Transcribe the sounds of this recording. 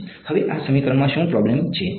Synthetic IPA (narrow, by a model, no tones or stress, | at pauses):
həʋeʔasəmikɾəɳmãʃũpɾɔblemt͡ʃʰe